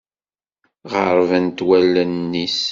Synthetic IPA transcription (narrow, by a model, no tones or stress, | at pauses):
ʁəɾˤvænt̪wælːənːis